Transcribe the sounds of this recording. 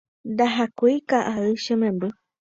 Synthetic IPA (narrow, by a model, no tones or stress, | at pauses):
nd̪aɦakuikaʔaɨʃẽmẽmbɨ